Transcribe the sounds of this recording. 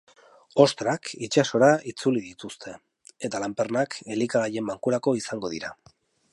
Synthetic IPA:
o̞st̪ɾakit͡ʃaso̞ɾait͡suliðit̪ust̪ʰe̞ | et̪alampernakʰe̞likaɣaje̞mbaŋkuɾako̞isaŋɡo̞ðiɾa

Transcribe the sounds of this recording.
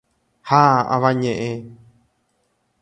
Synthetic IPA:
haã̰ʋãɲẽʔẽ

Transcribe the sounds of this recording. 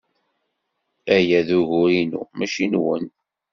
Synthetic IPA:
æjæðuʝʊɾinṵmæʃinwə̰n

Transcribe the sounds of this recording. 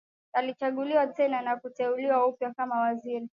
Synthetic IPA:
alit͡ʃaɠuliwatɛnanakutɛuliwaupjakamawaziɾi

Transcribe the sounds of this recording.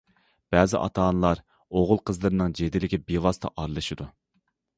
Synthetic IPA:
b̥ɛzɪ̰ʔɑ̰t̪ʰɑːnlˠɑɾ | oʁʊlˠqʰəzlˠɨɾɨnɨŋd͡ʒed̪ɪlɪkʲibilɑst̪ʰɑ̰ʔɑɾlˠɨʃɨd̪u

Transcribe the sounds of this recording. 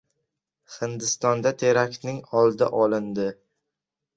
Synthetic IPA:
hɪnd̪ɪst̪ɒnd̪at̪ʰe̞ɾakʲnɪŋɒlˠd̪ɪ̰ʔɒlɪnd̪ɪ

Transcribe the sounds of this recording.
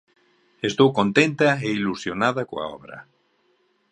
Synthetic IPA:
est̪owkont̪ent̪ɐeilusjonaðɐkoa̰ɔ̰βɾɐ̰

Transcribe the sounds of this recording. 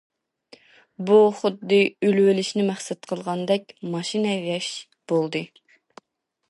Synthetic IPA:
buχʊd̪ːɨylwɪlɪʃnɪmæχsɛt̪̚qʰəlˠʁɑnd̪ɛkʲmɑʃinɛjɛʃ | b̥olˠd̪ɨ

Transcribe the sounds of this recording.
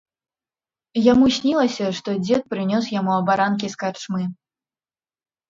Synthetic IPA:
jamusʲnʲilˠɐsʲɐʂt̪ɔd͡zʲɛt̪̚pɾɨnʲɔs̬jamuɐbaɾank̬ʲiskart͡ʂmɨ

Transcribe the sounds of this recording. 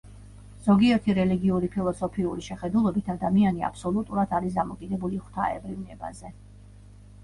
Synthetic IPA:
z̥ɔɡiɛɾt̪ʰiɾɛliɡiuɾipʰilˠɔsɔpʰiuɾiʃɛχɛd̪ulˠɔbit̪ʰad̪amiania̰pʰsɔlut̪ʼuɾad̪ʰaɾisd̪amɔkʼid̪ɛbuliχwt̪ʰa̰ɛ̰bɾivnɛba̰zɛ

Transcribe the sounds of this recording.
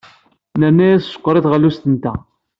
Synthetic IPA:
nəɾnæjæssə̥kʷːɾˤiθʁəlːust̪ənt̪æ̰

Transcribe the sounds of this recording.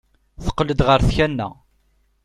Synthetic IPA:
θə̥qːləd̪ʁəɾθçænːæ̰

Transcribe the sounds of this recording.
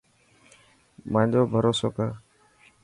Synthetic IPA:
mãːɲd͡ʒoːbʱəɾoːso̰ːkaː

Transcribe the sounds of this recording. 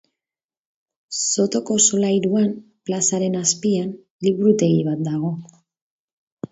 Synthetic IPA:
so̞t̪o̞ko̞solajɾuam | plasaɾe̞naspian | liβuɾut̪e̞ɣiβ̞at̪̚d̪aɣ̞o̞

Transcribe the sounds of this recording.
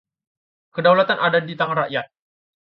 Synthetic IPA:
kədawlat̪anʔadadit̪aŋanraʔjat̪̚

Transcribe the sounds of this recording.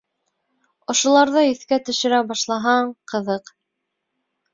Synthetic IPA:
ŏʃŏlˠɑɾðɤiθkæt̪ɵ̆ʃɘ̆ɾæbɑʃlˠɑɦɑɴqɤ̆ðɤq

